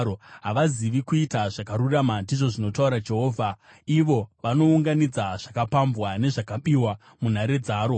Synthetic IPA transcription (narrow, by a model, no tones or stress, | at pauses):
oɦaʋaziʋikuitaʐakaɾuramandiʐo̞ʐino̞tauɾad͡ʒe̞ɦoːvʱa | iʋo̞ʋano̞uŋɡanid͡zaʐ̥akapambwane̞ʐakaɓiwa | mun̤aɾe̞d͡zaːɾo̞